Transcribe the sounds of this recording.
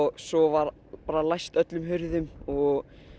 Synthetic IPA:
ɣsɔvaɾ | paːɾalajst̪œt̪lʏmɦʏɾðʏmɔɣ

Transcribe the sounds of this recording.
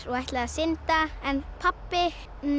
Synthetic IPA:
ɾɔɣaht̪laasɪnt̪aɛnpʰapːɪ | n

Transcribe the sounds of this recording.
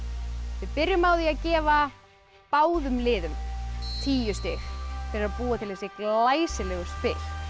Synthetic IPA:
vɪðpɪɾjʏmawðiaðcɛːva | paːwðʏmlɪːðʏmt̪ʰiːjʏst̪ɪxθɪɾaðpuːat̪ʰɪlhɛsɪklaːjsɪlɛːɣʏst̪fɪɾ̥

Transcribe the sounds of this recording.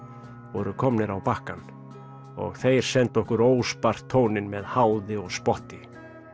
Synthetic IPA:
vɔɾʏkʰɔmnɪɾawpahkan | ɔ̰ɣθejɾ̥sɛnt̪ɔhkʏɾoːwspar̥t̪ʰːoːwnɪnmɛðhaːwðɪɔɣspɔht̪ɪ

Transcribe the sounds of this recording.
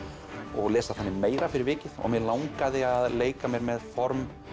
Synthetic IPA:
ɔɣlɛːsað̥θanːɪmeːjɾafɪɾɪɾvɪːcɪðɔ̰ɣmɛðlawŋkaðɪaðleːjkamjɛɾmɛðfɔɾm

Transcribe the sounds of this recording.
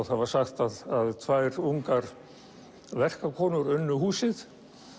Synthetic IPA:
waðvḁsaxt̪aðaðt̪ʰvaːjɾuŋkaɾ | vɛr̥kakʰɔːnʏɾʏnːʏɦuːsɪð

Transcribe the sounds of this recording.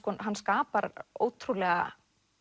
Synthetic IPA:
kɔɦanːskaːpaɾo̰ːwt̪ʰɾulɛɣa̰

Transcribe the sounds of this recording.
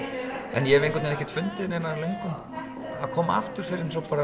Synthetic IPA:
ɛ̰njɛɛvejŋkʏt̪ɪnɛhcɪt̪ʰfʏnt̪ɪðɪnejnalœŋkʏn | a̰ðkʰɔːma̰ft̪ʏɾ̥fɪɾɪɾns̬ɔwkʰvaɾa

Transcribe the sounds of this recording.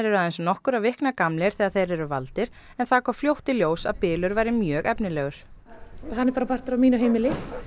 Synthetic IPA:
ɛɾɛɾaðejnsɔnɔhkʏɾavɪhknakamlɪɾ̥θɛːɣaɾθejɾɛɾʏvalt̪ɪɾ̥ | ɛnθakʰafljowht̪ɪljoːwsaðpɪːlʏɾvajɾɪmjœːɣɛpnɪlɛːɣʏɾ̥ | anːɛɾpaːɾapʰar̥t̪ʏɾamiːnʏɦejmɪlɪ

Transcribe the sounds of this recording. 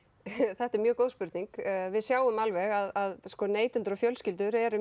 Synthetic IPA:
θɛht̪ɛɾmjœːɣkowðspʏɾt̪niŋkvɪðsjaːwʏmalvɛɣaðaðskɔneːjt̪ʏnt̪ɾɔfjœlscɪlt̪ʏɾɛɾʏ

